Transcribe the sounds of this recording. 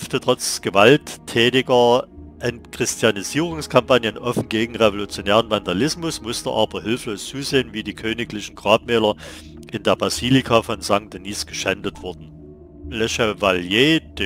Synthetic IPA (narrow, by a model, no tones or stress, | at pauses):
ftətʁ̥ɔt͡sɡ̥əvaltʰːɛːtɪɡɐ | ʔɛntkʁ̥ɪstʰjaniziːʁ̞ʊŋskʰampanjənʔɔfn̩ɡeːɡŋ̩ʁevolut͡sjoneːʁənvandalɪsmʊsmʊstəʔa̰ːbɐɦɪlfloːst͡suːzeːənviːdiːkʰøːnɪklɪçn̩ɡ̥ʁaːpmɛːlɐ | ʔɪndeːɐbaziːlikʰafɔnzaŋkt̚d̥eniːsɡ̥əʃɛndətv̥ʊɐdn̩ | lɛʃɛvaljeːd̥e